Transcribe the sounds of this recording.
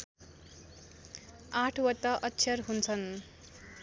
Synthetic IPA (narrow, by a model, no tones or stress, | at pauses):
aʈʰwʌt̪ːʌʔʌtːt͡sʰjʌrɦunt͡sʰʌn